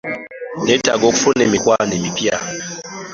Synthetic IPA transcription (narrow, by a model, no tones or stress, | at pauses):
neta̰ɡokfunɛmikwanɛmipja